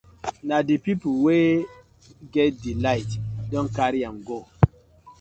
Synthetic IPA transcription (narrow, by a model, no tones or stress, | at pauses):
nadipipuwe | ɡɛt̚dilajtdɔnkaɾijaŋɡo